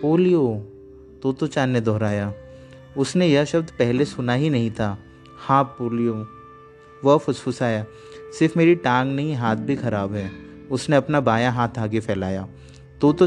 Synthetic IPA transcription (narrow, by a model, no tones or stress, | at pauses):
poːlijo | t̪oːt̪oːt͡ʃaːnːed̪ʱɔːɾaːja | ʊsnejɐʃɐb̚d̪pɛɦlesʊnaɦinɐɦĩt̪ʰaː | hãːpoːlijoː | ʋɐfʰʊsfʰʊsaːjaː | sɪɾfmeːɾiʈãːŋɡnɐɦĩɦaːt̪̚ʰbʱixɐɾaːbɦɛː | ʊsneɐpnabaːjãɦaːt̪ʰaːɡepʰɛːlaːjaː | t̪oːt̪o